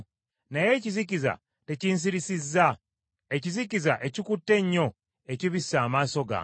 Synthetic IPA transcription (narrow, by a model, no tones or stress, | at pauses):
naje̞ciziciza̰ | te̞ciːns̬iɾisizːa | e̞cizicizaʔe̞cikutːe̞ɲːo̞ | eciβisːaːmaːso̞ɡa̰